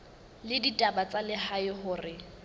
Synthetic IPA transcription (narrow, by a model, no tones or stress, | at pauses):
lɪditʼabat͡sʼalɪhaɪɦʊːrɪ